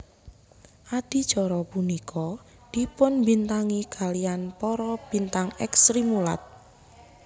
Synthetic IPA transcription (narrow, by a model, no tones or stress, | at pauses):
ʔad̪̥i̤d̥ʒ̥ɔ̤ɾɔpunikʰɔ | d̪̥i̤pʊnmbint̪aŋiɡ̥a̤lianpɔɾɔb̥i̤nt̪aŋɛksɾimula̰t̪̚